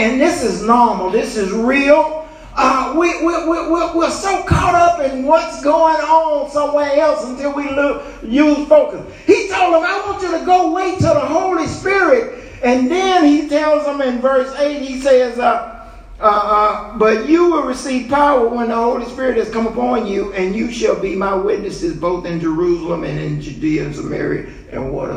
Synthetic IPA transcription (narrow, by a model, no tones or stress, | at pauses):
ɨ̃nðɪsɪznɔɹml̩ˠðɪsɨzɹilˠ | ʌwiwɪwɪwɪɹwɪɹsoʊkʰɑɾʌpɨ̃nwʌtsɡ̥oʊɪ̃ŋənsʌ̃mwɛ̃ŋɛlˠsə̃ntʰɪlˠwilɪ | jɨspoʊkə̃n | hitʰoʊlˠzə̃maɪwɑ̃nt͡ʃɨɾɨɡoʊweɪtʰəðəɦoʊlˠispɪɹɪɾ̚ | ɨ̃nðɪ̃nitʰɛlˠzə̃mɪ̃nvɜ˞seɪt̚hisɛzʌ | ʌbʌt͡ʃɨwɪlˠɹɨsiv̥pʰaʊə˞wə̃nðəhoʊlˠispɪɹɨt̚hɨz̥kʌ̃məpɑ̃njɨɨ̃njɨʃɨlˠbimaɪwɪtⁿnɨsɨzboʊθɨ̃nd͡ʒə˞usl̩ˠə̃mɨ̰̃nɨ̰̃nd͡ʒʉdiɨɨ̰̃nsəmɛ̰ɹḭɨ̰ | ɨ̰̃nwʌ̰ɾ̰